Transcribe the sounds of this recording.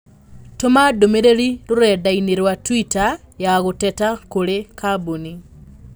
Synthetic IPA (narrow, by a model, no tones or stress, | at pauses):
tomadomeɾeɾiɾoɾɛdaineɾwatwita | jaɣotɛtakoɾekaboni